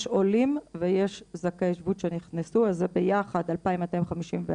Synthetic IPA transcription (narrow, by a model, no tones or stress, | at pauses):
ʃolimvejeʃzakeʃvutʃeniχnesuazebejaχad̪alpaimat̪aimχamiʃimve